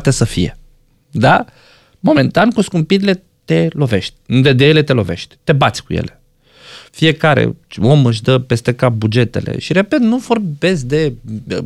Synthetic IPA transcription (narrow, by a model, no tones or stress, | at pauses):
t̪esəfijḛ | d̪a | mo̞me̞nt̪ankuskumpiɾile̞ | t̪e̞lo̞ve̞ʃt̪ʲd̪ed̪ejele̞t̪e̞lo̞ve̞̰ʃt̪ʲt̪e̞bat̪sʲkujḛle̞̥ | fije̞kaɾḛo̞mɨʃ̬d̪əpe̞st̪ekap̚bud͡ʒe̞t̪e̞̰lḛʃiɾe̞pe̞t̪nuforbe̞sʲd̪e̞